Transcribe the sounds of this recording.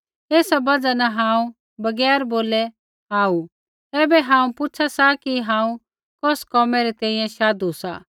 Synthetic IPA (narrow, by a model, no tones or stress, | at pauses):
eːsabɐd͡ʒanɐɦãːũ | bɐɡɛːɾboːlɛ | aːu | ɛːbɛɦãːũpʊt͡ʃʰasakiɦãːũ | kɔːskɔːmɛɾɛt̪ɛ̃ːĩjɛ̃ʃaːd̪usa̰ː